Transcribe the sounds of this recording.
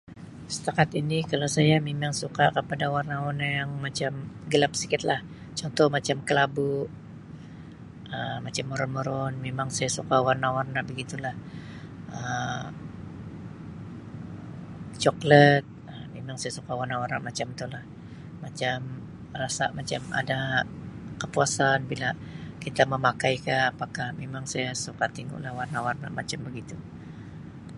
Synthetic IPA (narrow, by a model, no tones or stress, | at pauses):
sə̥t̪akat̪inikalawsajamemaŋsukakəpadawarnawanajaŋmat͡ʃamɡəlap̚sikɪt̪lah | t͡ʃɔnt̪ɔhmat͡ʃamkəlabuʔ | əmat͡ʃamːoɾɔnmoɾɔnmemaŋsajasukawarnawarnabəɡit̪ulah | ʔə | t͡ʃɔklət̪̚ | əmemaŋsajasukawarnawarnamat͡ʃamt̪ulah | mat͡ʃam | rasamat͡ʃama̰da | kəpuasanbila | kit̪aməmakajkaːpakahmemaŋsajasukat̪iŋɡṵʔlahwarnawarna̰mʔa̰t͡ʃambəɡit̪u